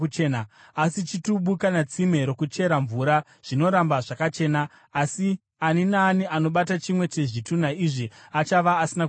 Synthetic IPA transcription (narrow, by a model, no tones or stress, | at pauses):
t͡ʃena | asit͡ʃituɓukanat͡sime̞ɾo̞kut͡ʃe̞ɾaɱvuɾa | ʐ̥ino̞ɾambaʐakat͡ʃe̞ːnaː | si | aninaːniʔano̞ɓatat͡ʃimwe̞t͡ʃe̞ʐitunaiʐiat͡ʃaʋaːsina